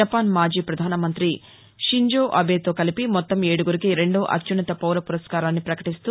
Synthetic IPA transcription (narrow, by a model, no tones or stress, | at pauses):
ɐpaːnmaːd͡ʒiːpɾɐd̪ʱaːnɐmɐnt̪ɾi | ʃiɲd͡ʒoːʔɐbeːt̪o̞ːkɐlipimɔt̪ːɐmeːɽuɡuɾikiɾe̞ɳɖoːʔɐ̰t͡ʃunɐt̪ɐpɐwɾɐpuɾɐskaːɾaːnːipɾɐkɐʈist̪uː